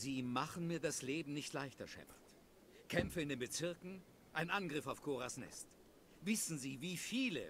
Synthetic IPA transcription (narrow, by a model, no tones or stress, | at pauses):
ziːmaχn̩miːɐdasleːbm̩nɪçtlaɪçtɐʃɛ̰mɐ̰t | kʰɛmfəɪndeːnbət͡sɪɐkŋ̩ | ʔaɪnnʔanɡʁɪfaʊfkʰoːʁasnɛ̰st | vɪsn̩ziːviːfiːlə̰